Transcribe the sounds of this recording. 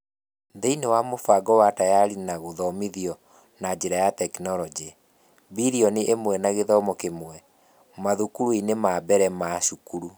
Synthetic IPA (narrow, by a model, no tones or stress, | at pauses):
ðeinewamofaɡɔwatajaɾinaɣoðɔmiðiɔ | nad͡ʑeɾajatɛknɔlɔd͡ʒe | biɾiɔneʔemwɛnaɣeðɔmɔkemwɛ | maðukuɾuinemabɛɾɛmaʃukuɾu